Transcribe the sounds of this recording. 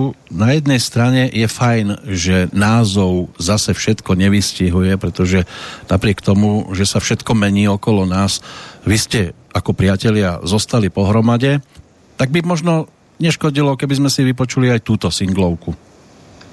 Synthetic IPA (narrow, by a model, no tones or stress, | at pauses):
najɛd̪nɛjst̪ɾaɲɛjɛfajnʒɛnaːzɔʊzasɛfʃɛt̪kɔɲɛʋisciɦujɛpɾɛt̪ɔʒɛnapɾɪɛkt̪ɔmuʒɛsafʃɛt̪kɔmɛɲiːɔkɔlɔnaːsʋiscɛakɔpɾɪacɛʎɪa̰zɔst̪alipɔɦɾɔmaɟɛ | t̪aɡ̚bimɔʒnɔ | ɲɛʃkɔɟilɔkɛbizmɛsiʋipɔt͡ʃuliajt̪uːt̪ɔsiŋɡlɔʊku